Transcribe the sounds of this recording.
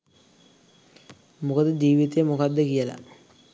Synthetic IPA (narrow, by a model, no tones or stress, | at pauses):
mukɐd̪ɨd͡ʑiːʋit̪ːemukad̪ːekijɐla̰